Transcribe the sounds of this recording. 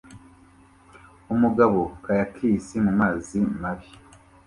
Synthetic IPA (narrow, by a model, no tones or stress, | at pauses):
umuɡaβokajakʰiːsimumaːzimaβi